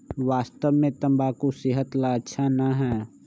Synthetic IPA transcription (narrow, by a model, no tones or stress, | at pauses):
ʋaːst̪əʋmẽt̪ə̃mbakosɪɦət̪laətːʃʰanəɦɛː